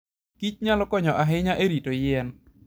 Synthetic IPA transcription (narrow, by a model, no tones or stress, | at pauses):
kit͡ʃ̚ɲalɔkɔɲɔʔaɦɪɲaʔeɾitojɛn